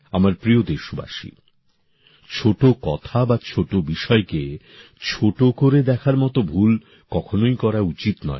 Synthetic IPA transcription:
amaɾpɾiod̪eʃoba̰ʃḭ | t͡ɕʰoʈokɔt̪ʰabat͡ɕʰoʈobiʃɔeke | t͡ɕʰoʈokoɾed̪ɛkʰaɾmɔt̪obʱul | kɔkʰonojkɔɾaut͡ɕit̪nɔ̰e

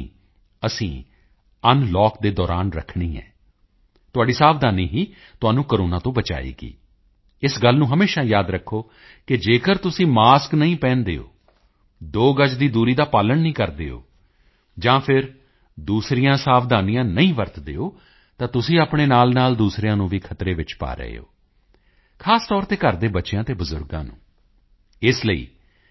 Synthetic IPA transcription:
əsĩː | ənlɔːkd̪eːd̪ɔːɾa̰ːnɾə̰kʰɳiːɛ̰ː | t̪ʊaːɖiːsaːpd̪aːnḭːɦiː | t̪ʊaːnũːkəɾoːnãːt̪õːbət͡ʃa̰ːḭːɡḭː | ɪsɡəlnũːɦəmeːʃaːjaːd̪ɾəkʰːoː | kɪd͡ʒeːkəɾt̪ʊsĩːmaːsknəĩːpɛ̃ːnd̪ḛːo̰ː | d̪oːɡəd͡ʒd̪iːd̪uːɾiːd̪aːpaːləɳnĩːkəɾd̪ḛːo̰ː | d͡ʒãːpʰɪɾ | d̪uːsɾɪjãːsaːfd̪aːnijãːnəĩːʋəɾt̪d̪eːoː | t̪ãːt̪ʊsĩːaːpɳeːnaːlnaːld̪uːsɾjãːnũːʋiːkʰət̪ɾeːʋɪt͡ʃpa̰ːɾə̰ḛo̰ː | kʰaːst̪ɔːɾt̪eːkəɾd̪eːbəːʃejãːt̪eːbəzʊ̰ɾɡã̰ːnṵ̃ː | ɪsləḭː

